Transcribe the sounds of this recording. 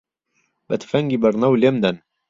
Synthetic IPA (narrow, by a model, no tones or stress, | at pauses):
bət̪ʰfɐŋɡiːbəɾnɐwlemd̪ɐn